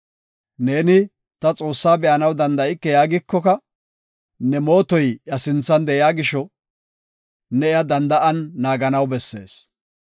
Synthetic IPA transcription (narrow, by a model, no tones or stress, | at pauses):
ne̞ːnɪ | t̪ɐt͡sʼo̞ːsːaːbɛʔɐnɐwd̪ɐnd̪ɐʔɪkːɛjaːɡɪkːɔkɐ | nɛmo̞ːt̪ɔjjɐsɪnt͡sːɐnd̪ɛjɪaːɡɪʃɔ | nɛɪjɐd̪ɐnd̪ɐʔɐnːaːɡɐnɐwbɛsːe̞̰ːs